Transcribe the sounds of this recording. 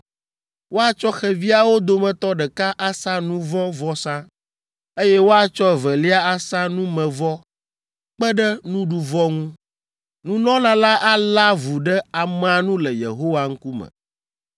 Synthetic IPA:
wo˦a˦t͡ʃɔ˦xɛ˨vi˦a˦wo˦d̪o˨mɛ̃˨t̪ɔ˦ɖɛ˨ka˦ʔa˦sã˦nũ˦vɔ̃˦vɔ˦sã˦ | e˦jɛ˦wo˦a˦t͡ʃɔ˦˨vɛ˨li˦a˦a˦sã˦nũ˦mɛ̃˨vɔ˦ | k͡pɛ˦ɖɛ˦nũ˦ɖu˨vɔ˦ŋũ˦ | nũ˦nɔ̃˦nã˨la˦ʔa˦la˦vu˨ɖɛ˦a˨mɛ̃˨a˨nũ˦lɛ˨jḛ˨ɦo˦wa˦ŋ̩˦ku˦mɛ̰̃˨

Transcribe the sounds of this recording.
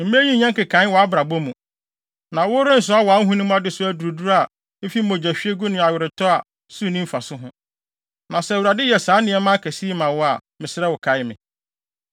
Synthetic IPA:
m̩˨m̃˦æ˦ɲĩ˦ɲɛ̃˦ŋkɪ˨kʰã˨˦n˦wɔ˨a˦bɾa˨bo˦mũ˨ | nã˨wʊ˦ɾɪ̃˦n̩˨s̬ʊ˦a˦wɔ˨a˨˦ŋ˦ɦũ˦nʊ̃˦m̃˦a˦dɪ˦sʊ˦æ˦du˨ɾu˨du˦ɾa˨ | m̩˦fi˦mõ˨d͡ʑæ˨ɕᶣi˦e˦ɡʊ˦nɪ̃˨a˨ɥɪ˨ɾɪ˨tʰɔ˦a˨ | su˦˨nĩ˦m̩˦fa˨sʊ˦ɦʊ̃˦ | nã˨sɛ˦˨u˨ɾa˨dɪ˦jɛ˨sã˨˦nɪ̃˨˦ɛ˦mã˦kʰæ˨si˦mã˨wɔ˦a˨mɪ̃˨sɪ˦ɾɛ˦wʊ˨kʰa˨jɪ˦mɪ̰̃˨

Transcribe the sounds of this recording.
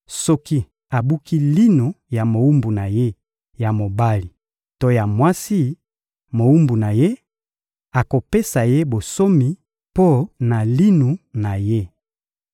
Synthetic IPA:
sɔ˦ki˦ | a˨bu˦ki˦li˦nu˨ja˨mo˨u˦mbu˨na˨je˦ | ja˨mo˨ba˦li˨ | to˦ja˨mwa˦si˦ | mo˨u˦mbu˨na˨je˦ | a˨ko˨pe˦sa˨je˦bo˨so˦mi˨ | po˦na˨li˦nu˨na˨je˦

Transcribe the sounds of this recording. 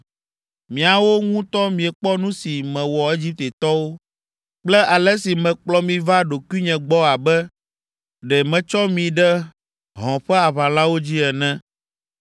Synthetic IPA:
mĩ˨a˨wo˦ŋũ˦t̪ɔ˦mĩ˨ɛ˨k͡pɔ˦nũ˦si˨mɛ̃˨wɔ˨e˦d͡ʑi˦p̚t̪e˨t̪ɔ˦wo˦ | k͡plɛ˦ʔa˨lɛ˦si˨mɛ̃˨k͡plɔ˦mĩ˨va˦ɖo˨kwi˦ɲɛ̃˨ɡ͡bɔ˦a˨bɛ˦ | ɖɛ˨mɛ̃˨t͡ʃɔ˦mĩ˨ɖɛ˦ | ɦɔ̃˨ɸɛ˦a˨βã˨lã˦wo˦d͡ʑi˦ɛ˨nɛ̃˦

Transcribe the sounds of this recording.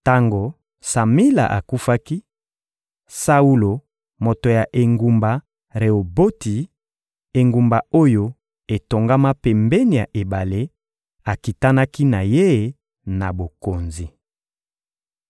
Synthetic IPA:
ta˦ŋɡo˨ | sa˨mi˦la̰˨ʔa̰˨ku˦fa˦ki˦ | sa˦u˦lo˨ | mo˨to˨ja˨ʔe˨ŋɡu˨mba˨ | ʁe˨o˨bo˦ti˨ | e˨ŋɡu˨mba˨o˦jo˦ | e˨to˨ŋɡa˦ma˦pɛ˨mbɛ˦ni˨ja̰˨ʔe˨ba˨le˦ | a˨ki˨ta˦na˦ki˦na˨je˦˨ | na˨bo˨ko˨nzi˨

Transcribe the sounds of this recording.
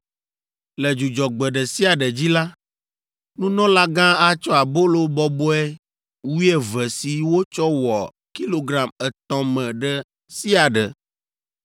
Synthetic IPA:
lɛ˨d͡ʒu˨d͡ʒɔ˨ɡ͡bɛ˨ɖə˨si˦a˨ɖə˨d͡ʑi˦la˦ | nũ˦nɔ̃˦la˦ɡã˦a˦t͡ʃɔ˦a˨bo˦lo˦bɔ˦bɔ˦ɛ˦ | wu˦ɛ˦vɛ˨si˨wo˦t͡ʃɔ˦wɔ˨ | ki˦lo˨ɡɾa˨mɛ˨t̪ɔ̃˦mɛ̃˨ɖə˦ | si˦a˨ɖə̰˨

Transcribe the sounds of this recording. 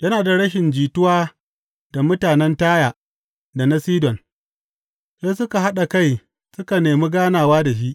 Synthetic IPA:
jɐ˦naː˨da˨ɽɐ˦ʃɪ˨nd͡ʒiː˨tʊ˦waː˦ | da˨mʊ˦taː˨nɛ˦ntaː˦jaː˨ | da˨na˦siː˦dɔ˨n | seː˦sʊ˦ka˨ɦa˦ɗa˨ka˦j | sʊ˦ka˨neː˨mi˦ɡaː˦naː˨waː˦da˨ʃ̬i˦ʔ

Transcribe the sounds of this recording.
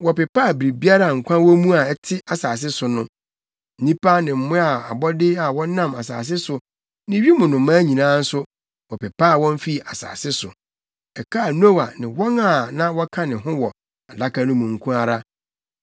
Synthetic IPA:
wɔ˨pɛ˨pa˦˨bɾi˨bi˦a˦ɾa˨ŋ̩˨kʷʰã˦wɔ˦mũ˦a˨ɛ˦tʰɪ˦a˨saː˨s̬ɪ˦sʊ˨nʊ̃˦˨ | nĩ˦pʰa˦nɪ̃˨m̩˨mʊ̃˦a˨a˨bɔ˦dɪ˦a˨wɔ̃˦nã˦ma˨sa̰ː˨s̬ɪ˦sʊ˨ | nɪ̃˦ɥi˦mʊ̃˨nʊ̃˨mãː˦ɲĩ˨nãː˦n̩˦sʊ˦ | wɔ˨pɛ˨pʰa˦˨wɔ̃˦ɱ˦fi˦˨a˨sa̰ː˨sɪ˦sʊ˨ | ɛ˨kʰa˦˨no˦wa˨nɪ̃˨wɔ̃˦ŋa˨nã˦wɔ˦kʰã˦nɪ̃˨ɦʊ̃˦wɔ˨ | a˨da˦kʰa˦nʊ̃˦mũ˨ŋ̩˨kʰũ˦a˨ɾa˦

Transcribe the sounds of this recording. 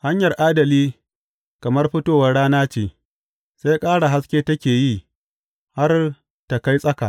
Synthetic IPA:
ha˦ɲjɐ˨rʔaː˦dɐ˨liː˦ | kɐ˨mɐ˦rɸɪ˦toː˦˨wɐ˨rɽaː˦naː˦t͡ʃeː˨ | sa˦jkʼaː˦ɽa˨ɦa˦skʲeː˦tɐ˦kʲeː˨ji˦˨ | ha˦r | ta˨ka˦jsʼɐ˦ka̰˨ʔ

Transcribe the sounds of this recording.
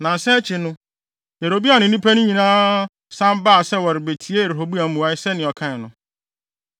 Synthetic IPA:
nã˨sɛ˦t͡ɕʰɪ˨nʊ̃˦ | je˨ɾo˨bi˦a˨nʊ̃˨˦nĩ˦pʰæ˦nʊ̃˦ɲĩ˨nãː˦ | sã˦m˦ba˦a˨sɛ˦wɔ˨ɾɪ˨be˨tʰi˨˦e˦e˨ɾe˨ɦo˨bu˦a˨˦mũ˨a˦ɪ˦sɛ˦nɪ̃˨ɔ˨kʰã˦˨nʊ̃˨

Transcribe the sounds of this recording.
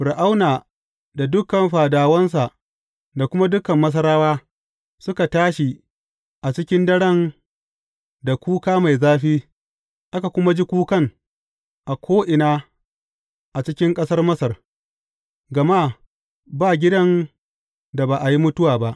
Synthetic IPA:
ɸʊ˨ɾʔa˦wnaː˨ | da˨dʊ˦kɐ˨nɸaː˨daː˨wɐ˦ns̬a˨ʔ | da˨kʷʊ˦ma˦dʊ˦kɐ˨mːɐ˦s̬ɐ˦ɾaː˦waː˦ | sʊ˦ka˨taː˦ʃi˨ | ʔa˨t͡ʃɪ˦kʲɪ˦ndɐ˦ɽɐ˦n | da˨kʷuː˦kaː˦ma˨jzaː˦ɸiː˦ | ʔa˦ka˨kʷʊ˦ma˦d͡ʒi˦kʷuː˦kɐ˦˨ŋ | ʔa˨kʷʰoː˦ʔɪ˨naː˦ | ʔa˨t͡ʃɪ˦kʲɪ˦ŋkʼɐ˦sɐ˦rmɐ˦sɐ˨r | ɡɐ˨ma˦˨ | baː˦˨ɡʲɪ˦dɐ˦n | da˨baː˨ʔa˨ji˦mʊ˦tʊ˦waː˨ba˦ʔ

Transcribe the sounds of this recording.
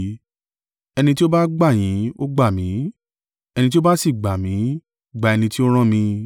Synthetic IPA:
ɛ˧nĩ˧ti˦o˦ba˦ɡ͡ba˦˨j̃ĩ˨˦o˦ɡ͡ba˦˨mĩ˨˦ | ɛ˧ñĩ˧t̬i˦o˦ba˦si˦˨ɡ͡ba˨mĩ˨˦ | ɡ͡ba˨ɛ˧nĩ˧ti˦o˦ɾ̃ã˦mĩ˧

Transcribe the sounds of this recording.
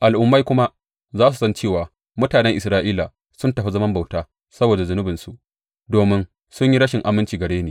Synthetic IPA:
ʔa˨lʔʊ˨mːa˦jkʷʊ˦ma˦ʔ | zaː˦s̬u˨sɐ˦nt͡ʃeː˦˨waː˨ | mʊ˦taː˨nɛ˦ŋʔɪ˨sɾaː˦ʔiː˦la˨ | sʊ˦ntɐ˨ɸi˦zɐ˦mɐ˦mba˨wtaː˦ | sɐ˦boː˨da˨zʊ˨nʊ˦bɪ˨nsu˨ʔ | doː˨mɪ˦n | sʊ˦ɲji˦ɽɐ˦ʃɪ˨ŋʔa˨mɪ˦nt͡ʃiː˨ɡɐ˨ɽeː˦neː˨

